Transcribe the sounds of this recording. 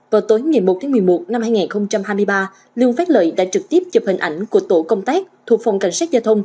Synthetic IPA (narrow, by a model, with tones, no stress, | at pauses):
vaː˨˩wt̪o˨˦jŋaː˨˩jmo˨˩t̚t̪aː˨˦mɨ˨˩əjmo˨˩t̚na˧mhaː˧jŋaː˨˩nxə˧wŋ͡mt͡ɕa˧mhaː˧jmɨ˧əjɓaː˧ | lɨ˧əŋfa˦˥t̚lə̰ː˧˩jɗa̰ː˧˥t͡ɕɨ˨˩k̚t̪i˦˥əp̚t͡ɕə˨˩p̚hï˨˩ŋ̟ʔa˧˩jŋ̟ku˧˩ət̪o˧˩kə˧wŋ͡mt̪aː˦˥k̚t̪ʰu˨˩ək̚fa˨˩wŋ͡mka˧˩jŋ̟saː˦˥t̚zaː˧t̪ʰə˧wŋ͡m